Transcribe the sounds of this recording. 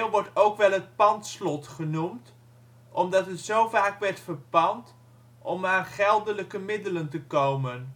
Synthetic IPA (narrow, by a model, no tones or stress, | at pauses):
lʋɔɹtowkʋɛlˠɦət̚pɑntslɔtχənumt | ʔɔmdɑtɦətsowvaːkʋɛɹtfəɹpɑnt | ʔɔmaːnχɛlˠdələkəmɪdələntəkowmən